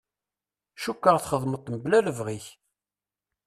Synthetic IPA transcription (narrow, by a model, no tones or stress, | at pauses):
ʃukːəʁθχəðˤmət̪ˤːmblæləvʁiç